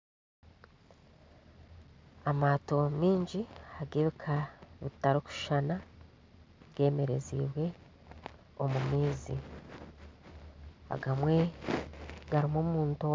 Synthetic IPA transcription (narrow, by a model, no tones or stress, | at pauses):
amaːto̞miːɲɟiaɡiβikʰaβitaɾoku̥ʃana | ɡe̞ːme̞ɾe̞̰zḭːβwe̞ | omumiːzḭ | a̰ɡamwe̞ | ɡaɾimomuːnto